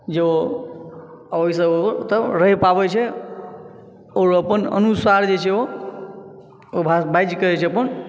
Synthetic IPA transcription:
d͡ʒeo | əəisəot̪əɾəɦepabet͡ʃʰɛ | oɾəpənə̰nusaɾd͡ʒet͡ʃʰɛo | obʱabajd͡ʒkəɾɛt͡ʃʰɛəpən

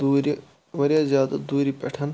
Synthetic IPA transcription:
uːɾi | ʋɐɾjaːzjaːd̪ɐd̪uːɾipɐ̰ʈʰɐn

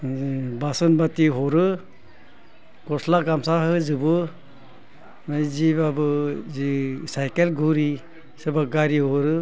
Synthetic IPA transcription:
basɯnbatiɦɔɾɯ | ɡɔslaɡamsaɦɯzɯbɯ | majzibabɯzisajkelɡuɾi | sebaɡaɾiɦɔɾɯ

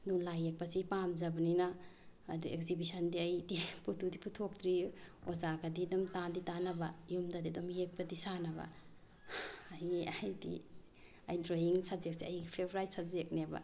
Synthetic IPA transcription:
dulajek̚pasipamzɐbɐninaː | duekzibisɐndiɐjdiputudipʰutʰok̚tɾiozaɡɐdidɔmtanditanɐbajumdadidumjek̚padisanɐba̰ | ajajdḭ | ajdɾoiŋsɐbzek̚siajɡpʰebɾajsab̚zek̚neba̰

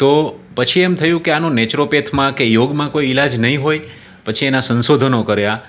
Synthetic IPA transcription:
t̪opət͡ʃʰiɛmt̪ʰəjũkeanõnet͡ʃɾopet̪ʰmãkejoɡmãkoiilad͡ʒnəɦĩɦoj | pət͡ʃʰienasənsod̪ʱənokəɾja

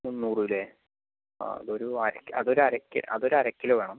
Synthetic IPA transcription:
unːuːrulḛː | ɐ̰ðo̞ɾuɐɾɐkːɐ̰ðo̞ɾuɐɾɐkʲːḭʔɐ̰ðo̞ɾuɐɾɐkʲːileʋe̞ːɳɐm

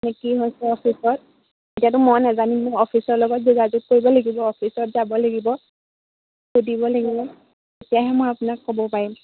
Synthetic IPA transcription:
nɛkiɦojsɛɔpʰisɔt̚ | etiatʊmɔjnazanimʊjɔpʰisɔɹlɔɡɔt̚zuɡazut̚koɹibɔlaɡibɔːpʰisɔt̚zabɔlaɡibɔ | kudibɔlaɡilɛ | etijaɦɛmojapʊnakːobɔpaɹim

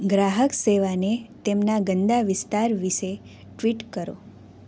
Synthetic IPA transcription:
ɡɾaɦəkseʋanet̪emnaɡənd̪aʋɪst̪aɾʋiʃe | ʈʋiʈkəɾo̰

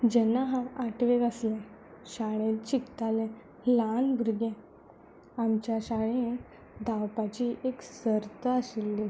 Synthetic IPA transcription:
d͡ʑɛnaɦãwaʈʰʋeɡəslɛ̃ | ɕaɽ̃ẽt̪t͡ɕikt̪alɛ̃ | lanbʱuɾɡɛ̃ | amt͡ɕjaɕaɽ̃ẽ | d̪ʱawpat͡ɕiʔeksəɾt̪əəsilːi

